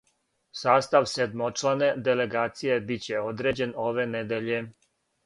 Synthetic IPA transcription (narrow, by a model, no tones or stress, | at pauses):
saːst̪aʋsed̪mot͡ʃlaned̪ele̞ɡaːt̪sije̞bit͡ɕe̞od̪ɾeːd͡ʑe̞no̞ʋe̞ned̪eʎe̞